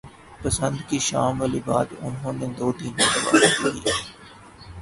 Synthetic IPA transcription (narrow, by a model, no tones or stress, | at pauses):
pəsə̃nd̪kiʃaːmʋəlibaːd̪ʊ̰nɦõːned̪oːʈiːnet̪əba̰ːɦatkḭːa